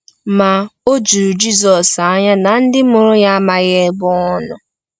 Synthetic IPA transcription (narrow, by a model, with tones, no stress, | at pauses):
ma˨o˦d͡ʒu˨d͡ʒi˦zɔ˨sa˦ɲa˦na˨n̩˦dɪ˦mʊ˨ɾʊ˦ja˦ma˨ɣe˦bʊ˦ɔ˦nʊ˨